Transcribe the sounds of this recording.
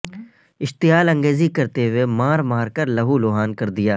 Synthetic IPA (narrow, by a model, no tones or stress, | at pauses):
ɪʃt̪ɪjaːlɐ̃ŋɡeːzikɐɾt̪eɦʊemaːɾmaːɾkɐɾlɐɦuloːɦaːnkɐɾd̪ɪjaː